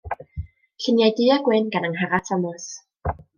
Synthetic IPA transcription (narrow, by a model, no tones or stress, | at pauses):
ɬɪnjajdɪaɡwɪnɡanəŋɦaɾatʰamɔs